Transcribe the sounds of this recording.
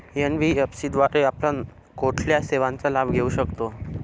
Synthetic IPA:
enʋiepsiːd̪ʋaɾeapla | koʈʰljaseʋãnt͡salabʱɡʱeuɕəkt̪o

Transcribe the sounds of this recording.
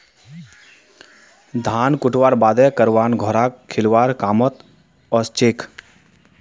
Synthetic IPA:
d̪ʱaːnkʊʈʋaːɾbaːd̪ɛkəɾʋaːnɡʱɔɾaːkkʰːɪlʋaːɾkaːmət̪ | ɔːst͡ʃeːk

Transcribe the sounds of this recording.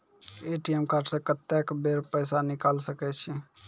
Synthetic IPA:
eːʈiɛmkaɾʈsekət̪ːɛkbeːɾpəːs̬anɪkaːlsəkɛt͡ʃʰi

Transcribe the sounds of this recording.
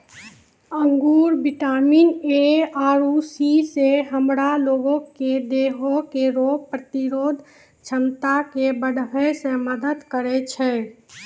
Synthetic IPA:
əŋɡuːɾbɪʈaːmineaːɾusiseɦəmɾaloːɡõked̪eɦokeɾoːɡ̚pɾət̪iɾoːd̪ʱ | t͡ʃʰəmt̪akebəɽʋəsẽməd̪əd̪kəɾɛt͡ʃʰɛ

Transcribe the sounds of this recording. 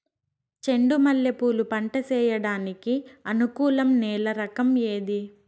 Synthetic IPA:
t͡ʃe̞ɳɖumɐlːepuːlupɐɳʈɐt͡ʃɛːjɐɽaːnikiɐnukuːlɐmnɛːlɐɾɐkɐmje̞ːd̪i

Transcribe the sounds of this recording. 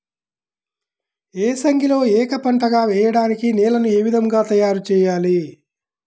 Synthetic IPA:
eːsɐŋɡʱilo̞ːɛːkɐpɐɳʈɐɡaːʋɛːjɐɽaːnikinɛːlɐnueːʋid̪ɐŋɡaːt̪ɐjaːɾut͡ʃɛːjaːli

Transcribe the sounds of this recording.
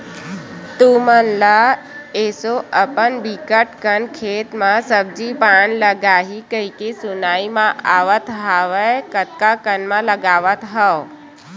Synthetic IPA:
t̪umənla | eːsoəpənbikəʈkənkʰeːt̪mãsəb̚d͡ʒipaːɳləɡaːɦikəikesʊnaːimãʔaːʋət̪ɦaʋəkət̪̚kakənmãləɡaːʋət̪ɦəʋ

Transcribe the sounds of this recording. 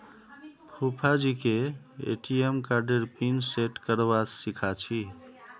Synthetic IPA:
pʰupʰad͡ʒike | ḛʈiemkaɾɖeɾpinseʈkəɾbasikʰat͡ʃʰi

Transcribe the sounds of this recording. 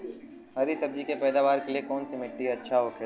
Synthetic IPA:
ɦɐɾisɐb̚d͡ʒikepɛːd̪aːʋaːɾkeliekɔːnsimɪʈːiɐtːʃʰaɦoːkʰe

